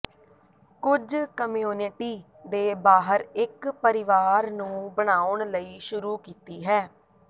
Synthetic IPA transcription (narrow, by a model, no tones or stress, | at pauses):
kʊd͡ʒkəmijuːnɪʈiː | d̪eːbaːɦəɾɪkpəɾɪʋaːɾnũːbəɽ̃aːʊɳləiːʃʊɾuːkiːt̪iːɦɛː